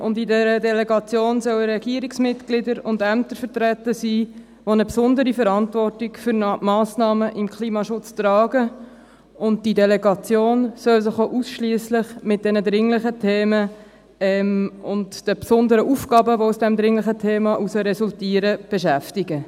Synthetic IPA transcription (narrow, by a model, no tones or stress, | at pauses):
ʔʊndidɛɾədɛleɡɑt͡sjoːnsœlɾɛɡiəɾɪksmɪtɡ̥lɪdəɾʊndæmtəɾfətɾɛtəsiː | ʋonəpsʊndəɾifəɾɑntvɔrtɪkfʏɾmɑːsnɑːməʔɪmkʰliːmɑʃʊt͡st̪ɾɑːɡə | ʊnt̚d̥idɛlɛɡɑt͡sjoːnsœls̬ɪχoːʔusʃliːslɪχmɪt̚d̥ɛnəd̪ɾɪŋlɪχətʰeːmə | ɛmʊntd̥əpsʊndəɾəʔufkɑːbəʋousd̥ɛmd̪ɾɪŋlɪχətʰeːmɑʔusəɾɛsultiːəɾəb̥eʃæftɪɡə